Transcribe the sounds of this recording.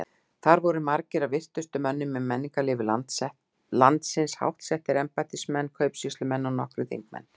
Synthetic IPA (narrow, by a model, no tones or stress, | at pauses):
θaɾvɔɾʏmaɾcɪɾavvɪr̥t̪ʏst̪ʏmœnːʏmɛmːɛnːiŋkalɪːvʏla | lant̪sɪnsha̰wht̪sɛht̪ɪɾɛmpat̪ɪsmɛnːkʰœɥpsist̪lʏmɛnːawnɔ̰hkɾʏθḛŋk̚mɛ̰nː